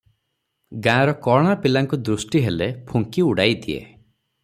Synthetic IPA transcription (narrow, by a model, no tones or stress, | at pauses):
ɡãɾɔkɔɽ̃apilaŋkud̪ɾusʈiɦelepʰuŋkiuɽajd̪iḛ